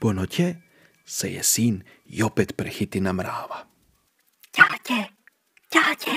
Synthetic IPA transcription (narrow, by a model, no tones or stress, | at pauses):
pɔnɔcʲɛ | sɛ̰jɛ̰sin | j̰ɔpɛt̪pɾɛxit̪inamɾa̰ːʋa | cacɛ | caːcɛ